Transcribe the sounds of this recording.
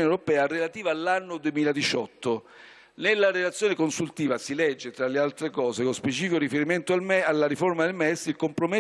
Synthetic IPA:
newɾopɛːarelat̪iːvaːlːanːod̪uemiːlad̪it͡ʃɔt̪ːo | nelːaɾelat̪sjoːnekonsult̪iːvasilɛd͡ʒːet̪ɾalːealt̪ɾekɔːzekospet͡ʃiːfikoɾifeɾiment̪oalmɛalːaɾiformad̪elmɛsilkompɾome

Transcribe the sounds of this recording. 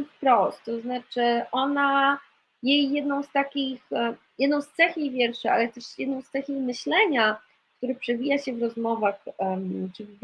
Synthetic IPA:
fpɾɔst̪ːɔznat͡ʂɘʔɔna | jejːɛd̪nɔ̃w̃st̪akʲix | jɛd̪nɔ̃w̃st̪sɛxjejvʲjɛɾʂɛʔa̰lɛt̪ɛʂjɛd̪nɔ̃w̃st̪sɛxʲejmɘɕlɛɲa | k̚t̪uɾɘpʂɛvʲijaɕɛvɾɔzmɔvaxt͡ʂɘv

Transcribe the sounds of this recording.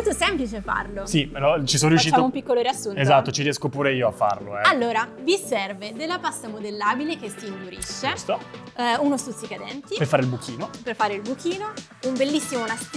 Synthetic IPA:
lt̪osɛmplit͡ʃefa̰rlosilɔt͡ʃisonoɾjuʃːitːt͡ʃamoumpikːoloɾasːunezat̪ːot͡ʃiɾjɛskopuːɾeiːoa̰fːa̰rlo̰ɛalːoːɾavisɛrved̪elːapasːamod̪elːaːbilek̟esːiːnd̪uɾḭʃːest̪o | unost̪ut̪sːikad̪ɛ̰nt̪ipefaːɾeilbukʰiːnoperfaːɾeilbuk̟iːno | umbelːisːimonas

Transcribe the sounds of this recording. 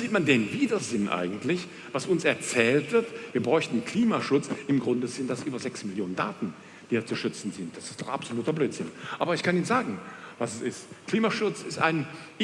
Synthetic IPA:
ziːtmandeːnviːdɐzɪnʔa̰ɪɡŋ̩tʰlɪç | vasʊnsɛɐt͡sɛːltv̥ɪɐtv̥iːɐbʁɔʏçtn̩kʰl̥iːmaʃʊt͡sʔɪmɡʁʊndəzɪntd̥asʔyːbɐzɛksmɪljoːnənda̰ːtn̩ | d̥iːdat͡suʃʏt͡sn̩zɪnt̚d̥asɪ̥stɔχa̰pz̥oluːtɐbløːtz̥ɪnʔaːbɐɪçkʰaniːnzaːɡŋ̩vasɛsɪstkl̥iːmaʃʊt͡sɪsta̰ɪn

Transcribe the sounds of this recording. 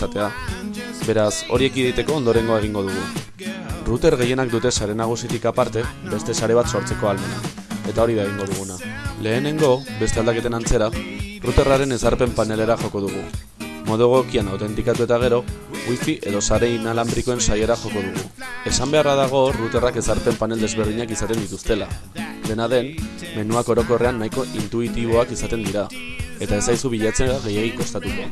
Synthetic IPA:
sat̪e̞a | be̞ɾaso̞̰ɾie̞kiðejt̪e̞ko̞ːnd̪o̞ɾe̞ŋɡo̞ae̞ɣ̞iŋɡo̞ðuɣ̞u | rut̪e̞ɾɣe̞je̞nakd̪ut̪e̞saɾe̞naɣ̞usit̪ikapaɾt̪e̞be̞st̪e̞saɾe̞β̞at̪so̞ɾt͡se̞ko̞alme̞na | e̞t̪ao̞ɾiβaeɣiŋɡo̞ðuɣunale̞ːne̞ŋɡo̞be̞st̪e̞ald̪ake̞t̪e̞nant͡se̞ɾarut̪e̞raɾe̞ne̞saɾpe̞mpane̞le̞ɾaʝo̞ko̞ð̞uɣ̞u | mo̞ðoɣokianawt̪e̞nt̪ikat̪ue̞t̪aɣ̞e̞ɾo̞ | ɣwifiʔe̞ðo̞saɾenalambɾiko̞e̞nsaje̞ɾaʝo̞ko̞ðuɣ̞ue̞sambe̞arað̞aɣ̞o̞rut̪e̞rake̞saɾpe̞mpane̞ld̪e̞zβe̞ɾð̞iɲakisat̪e̞nd̪it̪ust̪e̞la | d̪e̞naðe̞nː | e̞nuako̞ɾo̞ko̞re̞anːajko̞ʔint̪uit̪iβ̞o̞akisat̪e̞nd̪iɾa | e̞t̪ae̞sajsuβiʎat͡seaɣe̞jeɣiŋko̞st̪at̪ukoa

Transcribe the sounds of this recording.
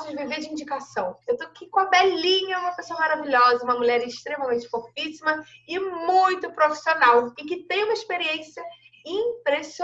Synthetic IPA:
sʊd͡ʒviveɾd͡ʒɪĩnd͡ʒikasɐ̃w̃ewt̪oakikõɐbɛlĩɲɐũmɐpesoɐmaɾaviʎɔzɐũmɐmuʎɛɾɪʃt̪ɾẽmɐmẽt͡ʃɪ̥foɾfisimɐɪmũj̃t̪ʊpɾofi̥sionawɪ̃kɪt̪ẽj̃ũmɐɪʃpeɾiẽsjɐ | ĩpɾeso

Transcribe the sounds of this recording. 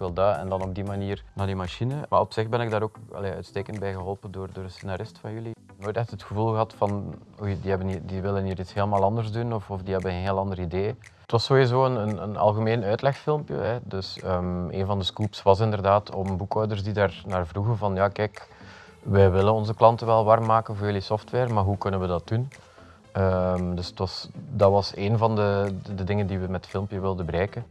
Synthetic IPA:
kʋɪlˠdaːɛ̰ndɑnɔb̚dimaniːrnaːdimaʃinəma̰ɾɔpsɪxbɛnɪɡ̚daːɾoːkɑ̰leːœ̰ɥtsteːkəndbɛjɣəɦɔlˠpəndoːrdoːɾəsenaɾɪstfɑnjɵli | noːjtɛxtətxəvulˠɣəɦɑtfɑn | ojdiɦɛbənidiʋɪləniːɾitsheːləmaːlˠɑndərzdunɔfɔfdiɦɛbənənɦeːlˠɑndərideː | tʋɑsːoːizoːənənə̰nɑ̰lˠɣəmeːnœːtlɛxfɪlˠmpjə̰ɦɛdɵsəːmḛːnvɑndəskupsʋɑs̬ɪndərdaːtʰɔ̰məbukɔwdərzsdidaːrnaːrvruɣənvɑnjaːkɛːk | ʋɛjʋɪlənɔnzəklɑntəʋɛlˠʋɑrmːaːkənvoːjɵlisɔftwɛːrmaːrɦukɵnənʋədɑt̚dun | əmdɵsə̥tʋɑsdɑtʋɑseːnvɑndədədɪŋəndiʋəmɛtfɪlˠmpjəʋɪlˠdənbəɾɛːkən

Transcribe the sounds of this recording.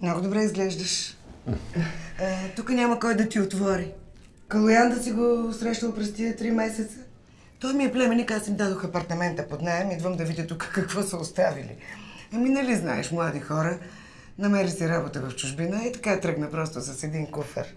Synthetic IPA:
mnɔɡod̪obɾɛizɡlɛʒd̪əʃ | t̪ukənʲaməkɔjd̪ɐt̪iot̪vɔɾi | kɐlˠojand̪əsiɡosɾɛʃnəlˠpɾɛst̪iət̪ɾimɛsɛt̪sə | t̪ɔjmiɛplɛmɛnikasimid̪ad̪oxɐpɐɾt̪ɐmɛnt̪əpod̪najɛmid̪vəmd̪ɐvid̪ʲət̪ukə̥kɐkvɔsəost̪avilḭɐminɐlizna̰ɛʃmlˠad̪ixɔɾə | nɐmɛɾisiɾabot̪əvɐft͡ʃuʒbinəit̪ɐ̥kaɛt̪ɾɤɡnɐpɾɔst̪ʊsɐsɛd̪iŋkufə̰ɾ

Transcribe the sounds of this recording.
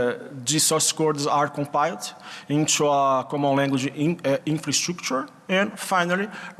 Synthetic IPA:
d̪isɔskɔɾdzaɾkõmpajlˠd̪ĩnt̪uakɔ̃mõnlɛ̃ŋɡwɪd͡ʒ̃ĩfɾɐst̪ɾukt͡ʃuɾ | ɛ̃ndfajnali

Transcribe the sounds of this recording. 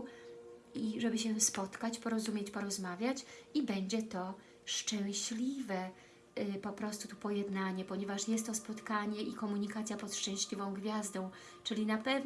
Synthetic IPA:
iʐɛbɘɕɛspɔt̪kat͡ɕpɔɾɔzumʲjet͡ɕpɔɾɔzmavʲjat͡ɕibɛɲd͡ʑɛt̪ɔ | ʂt͡ʂɛ̃w̃ɕlʲivɛ | pɔpɾɔst̪ut̪upɔjɛd̪naɲɛpɔɲɛvaʂjɛst̪ːɔspɔt̪kaɲɛʔikɔmuɲikat̪sʲjapɔt̪ʂt͡ʂɛ̃w̃ɕlʲivɔ̃w̃ɡvʲjazd̪ɔ̃w̃ | t͡ʂɘlʲinapɛv

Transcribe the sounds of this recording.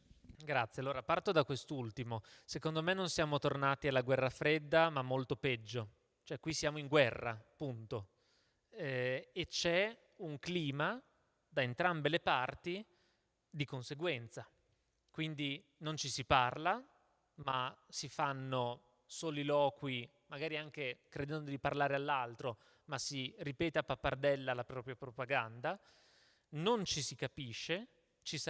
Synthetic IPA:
ɡɾat̪sːjealːoːɾapart̪od̪akːwest̪ult̪imosekond̪omenːonsjaːmot̪ornaːt̪ialːaɡwɛrːafɾed̪ːamamːolt̪opɛd͡ʒːo | t͡ʃoɛkːwisjaːmoiŋɡwɛrːa̰pːunt̪o | et͡ʃɛ | uŋkliːma | d̪aent̪ɾambelepart̪i | d̪ikonseɡwɛnt̪sa | kwind̪i | nont͡ʃisiparla | masifanːo | soːlilɔːkwi | maɡaːɾiaŋk̟ekɾed̪ɛnd̪od̪iparlaːɾealːalt̪ɾo | masiripɛːt̪eapːapːard̪ɛlːalapɾɔːpɾjapɾopaɡand̪a | nont͡ʃisikapiʃːe | t͡ʃis

